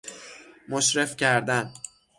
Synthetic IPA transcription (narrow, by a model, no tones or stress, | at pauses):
moʃɾe̞fcʰæɾd̪æn